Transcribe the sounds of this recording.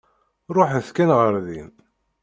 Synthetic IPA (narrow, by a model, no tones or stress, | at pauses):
ɾˤoħθkænʁəɾðin